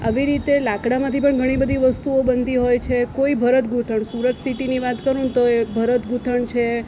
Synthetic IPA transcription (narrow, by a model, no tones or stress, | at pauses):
a̰ʋiɾit̪elakɽamãt̪ʰipəɳɡʱəɽ̃ibəd̪ʱiʋəst̪uobənd̪iɦojt͡ʃʰekoibʱəɾət̪ɡʱuʈ̪ʰəɳsuɾət̪siʈiniʋat̪kəɾũt̪oebʱəɾət̪ɡʱuʈ̪ʰəɳt͡ʃʰe